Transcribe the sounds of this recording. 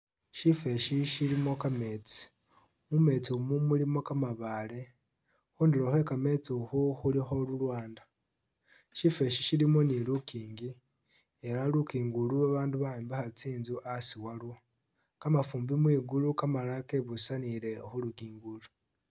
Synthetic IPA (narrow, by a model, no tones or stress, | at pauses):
ʃife̞ʃiʃilimo̞kame̞t͡si̥ | mume̞t͡sumumulimo̞kamaβale̞ | xuːndiɾohe̞kame̞t͡suxuxulixo̞lulwaːndḁ | ʃife̞ʃiʃilimo̞nilukiːŋɡi | e̞ɾalukiːŋɡuluaβaːnduβaiːmbahat͡siːnzuʔasiwalu | kamafuːmbimwiːɡulukamalake̞βusaniɾe̞oxuluɡiːŋɡulu